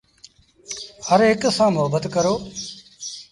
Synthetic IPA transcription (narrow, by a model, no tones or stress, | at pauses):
həɾɦɪksãːmʊɦəbət̪kəɾoː